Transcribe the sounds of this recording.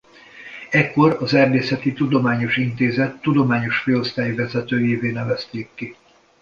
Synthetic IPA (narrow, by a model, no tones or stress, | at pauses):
ɛkːo̞ɾɒzɛrd̪eːsɛt̪it̪ud̪o̞maːɲo̞ʃint̪eːzɛt̪ːud̪o̞maːɲo̞ʃfeːlo̞st̪aːjivɛzɛt̪øːjeːveːnɛvɛst̪eːkːi